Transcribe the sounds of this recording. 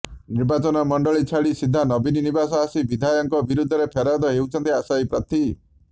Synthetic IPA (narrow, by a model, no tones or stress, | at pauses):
niɾbat͡ʃɔnɔmɔɳɖɔɭit͡ʃʰaɭisid̪ʱːanɔbininibasɔasibid̪ʱajɔŋkɔbiɾud̪ʱːɔɾepʰeɾad̪ɔɦewt͡ʃʰɔnt̪iasajpɾɔt̪i